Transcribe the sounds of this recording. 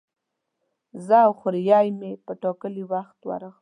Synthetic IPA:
zəawxʊɾjɑjmepəʈɑkəliwaxt̪wa̰ɾəɣ

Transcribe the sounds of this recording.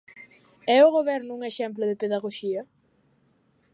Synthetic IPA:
ɛʊɣoβɛɾnʊuŋeʃɛmp̬lʊðepeðaɣoʃiɐ

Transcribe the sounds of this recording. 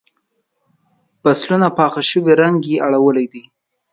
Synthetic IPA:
b̥aslunapɑxaʃəweɾaŋɡeʔaɽawəlajd̪i

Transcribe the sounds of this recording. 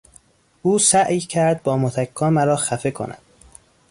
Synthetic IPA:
ʔuːsæʔjcʰæɾd̪̚bɒːmot̪ʰækʰːɒːmæɾɒːxæfe̞kʰo̰næ̰d̪̥

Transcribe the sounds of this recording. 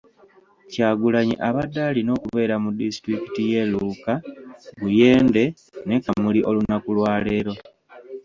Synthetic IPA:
caːɡulaɲḭʔaβadːaːlino̞ːkuβe̞ːɾamudistɾiki̥tije̞luːkaɡuje̞ːnde̞ | ne̞kamuliʔo̞lunakulwaːle̞ːɾo̞

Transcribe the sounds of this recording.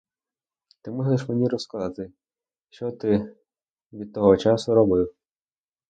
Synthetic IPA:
t̪ɪmɔɦzeʃmenʲiɾɔskɐzɑt̪ɪ | ʃt͡ʃɔt̪ɪ | ʋʲid̪̚t̪ɔɦɔt͡ʃɑsʊɾɔbɪw

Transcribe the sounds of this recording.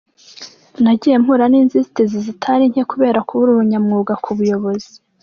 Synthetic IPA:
naɟijem̥huɾaniːnzizitezizitʰaɾiɲhekuβe̞ːɾakuβuɾuɾuɲamŋuːɡakʰuβujo̞βo̞zi

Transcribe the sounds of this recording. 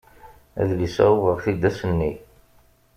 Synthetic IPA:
æ̰ðlisæ̰uvəʁθid̪æsənːi

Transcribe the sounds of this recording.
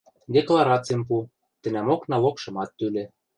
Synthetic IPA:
d̪ʲeklˠɑɾɑt͡sijmp̬u | t̪ɘ̆næmoknɑlokʃɤ̆mɑt̪ːylĕ

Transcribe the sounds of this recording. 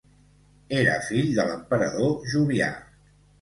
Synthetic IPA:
eɾə̰fiʎd̪ələmpəɾəðoʒuβia̰

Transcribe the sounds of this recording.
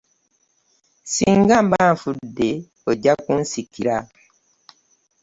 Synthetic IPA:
siːŋɡambaɱfudːe | oɟakunsikiɾa

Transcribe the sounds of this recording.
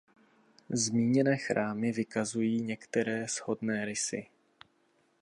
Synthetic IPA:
zmiːɲɛnɛːxɾʔaːmɪvɪkazujiːɲɛkt̪ɛɾɛːz̥ho̞dnɛːɾɪsɪ̰

